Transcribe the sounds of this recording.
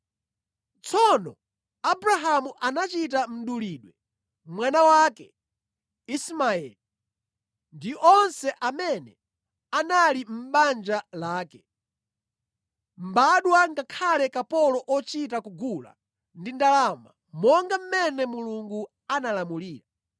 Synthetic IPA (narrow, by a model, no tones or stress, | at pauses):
t͡sʰɔnɔ | abɾaɦamuʔanat͡ʃitam̩ɗuliɗwɛ | mwanawaːkɛ | ismaɛ̰li | ndiʔɔnsɛʔamɛnɛ | analim̩ɓand͡ʒalaːkɛ | m̩baɗwaŋɡakʰalɛkapɔlɔʔɔt͡ʃitakuɡula̰ | ndindalama̰ | mɔŋɡam̩mɛnɛmuluŋɡu | analamuliːɾa